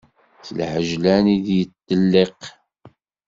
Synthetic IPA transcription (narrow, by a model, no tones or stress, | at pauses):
θəlħəʒlænid̪jət̪ːəlːeq